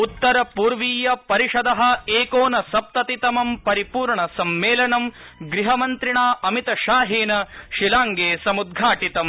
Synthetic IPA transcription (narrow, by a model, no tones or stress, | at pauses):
ut̪ːɐɾɐpuːɾʋiːjɐpɐɾiʂɐd̪ɐɦɐ̆eːkoːnɐsɐp̚t̪ɐt̪it̪ɐmɐmpɐɾipuːɾɳɐsɐmːeːlɐɳɐm | ɡɾiɦɐmɐnt̪ɾiɳaːʔɐmit̪ɐʃaːɦeːnɐʃilaːŋɡeːsɐmud̪̚ɡʱaːʈit̪ɐm